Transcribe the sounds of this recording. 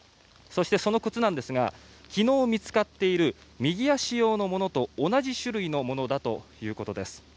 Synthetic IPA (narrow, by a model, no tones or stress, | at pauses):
so̞ɕi̥t̪e̞so̞no̞kɯ̟t͡sɨnãnd̪e̞sɨɡa̰ | kʲino̞ːmʲit͡sɨ̥kat̪ːe̞iɾɯ̟ | mʲiɡʲiaɕijo̞ːno̞mo̞no̞t̪o̞ːnaʑiɕɨɾɯ̟ino̞mo̞no̞d̪at̪o̞jɯ̟ːko̞t̪o̞d̪e̞sɨ̥